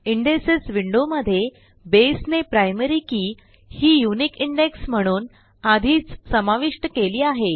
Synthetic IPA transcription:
iɳɖesesʋiɳɖoməd̪ʱːje | besnepɾajməɾiːkiː | hiːjunikiɳɖeksm̤əɽ̃uːn | ad̪ʱiːt͡ssəmaʋiʂʈəkeliːaɦe

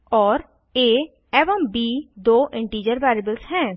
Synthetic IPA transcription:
ɔːɾ | eː | ɛːʋəmbiːd̪oːʔɪ̃ɳʈiːd͡ʒəɾʋaːɾibəlsɦɛ̃ː

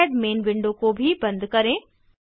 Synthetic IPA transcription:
ɖmeːnʋɪ̃ɳɖokobʱibɐ̃nd̪kɐɾẽ

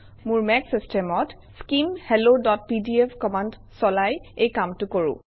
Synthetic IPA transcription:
mʊɹmɛksistɛmɔt | skimhelodɔt̚pidiepʰkɔmand | sɔlajejkamtʊkoɹṵ̃

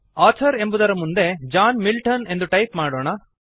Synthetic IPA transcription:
aːt͡ʃʰɐɾe̞mbud̪ɐɾɐmund̪e̞d͡ʒaːnmilʈɐne̞nd̪uʈɐjpmaːɽoːɳɐ

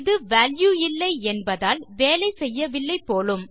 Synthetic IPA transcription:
ðɯʋaːljuɪlːɐɪɛnbɐðaːlʋeːlɐɪsɛjːɐʋɪlːɐɪpːoːlɯm

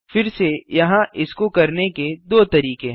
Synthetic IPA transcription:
fɪɾsejɐɦãʔɪskokɐɾneked̪oːt̪ɐɾiːkẽ

